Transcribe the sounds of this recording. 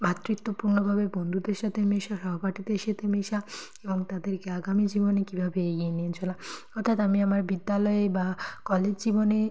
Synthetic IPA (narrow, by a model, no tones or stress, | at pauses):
bʱat̪ːɾit̪ːopuɾnobʱabebond̪ʱud̪eɾʃat̪ʰemeʃaʃɔɦopaʈit̪eeʃet̪ʰemeʃa | eboŋt̪ad̪eɾkeaɡamid͡ʑibonekibʱabeeɡieniet͡ɕʰola | ɔɾt̪ʰat̪amiamaɾbid̪ːalɔebakɔled͡ʑd͡ʑibone